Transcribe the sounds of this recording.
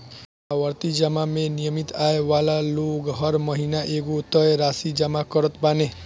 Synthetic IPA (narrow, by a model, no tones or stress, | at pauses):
awʌɾt̪id͡ʒəmamenijəmit̪aewalaloɡɦʌɾmʌɦinaʔeɡot̪ʌjeɾasid͡ʒəmakʌɾət̪bane